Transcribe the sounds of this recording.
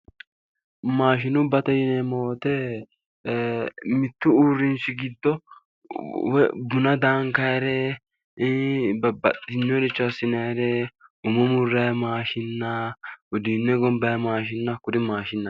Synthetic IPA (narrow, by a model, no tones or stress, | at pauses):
maːʃɪnʊbɐt̪ɐjɪnɛmo̞ːt̪ɛ | mɪt̪ːʊuːrːɪnʃɪɡɪd̪ːɔ | wɛbʊnɐd̪aːŋkɐjɾɛ | bɐbɐt̪ʼːɪnːɔd̪ɪt͡ʃːɔɐsːɪnɐjɾɛʊmɔmʊrːɐjmaːʃɪnːɐʊd̪iːnːɛɡɔmbɐjɐmaːʃ̬ɪnːɐkʊd̪ɪmaːʃɪnːɐ